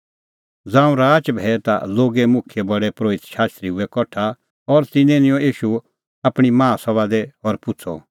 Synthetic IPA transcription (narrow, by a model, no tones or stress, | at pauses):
d͡zãːũɾaːt͡ʃbʱɛt̪a̰loːɡɛmʊkʰjebɐɽɛpɾoːɪt̪ʃaːst̪ɾiɦʊɛkɔʈʰːa | ɔɾt̪ɪ̃nenɪ̃jɔ̃iːʃu | apɽ̃imãːsɔβad̪ɛɔɾpʊt͡sʰɔ̰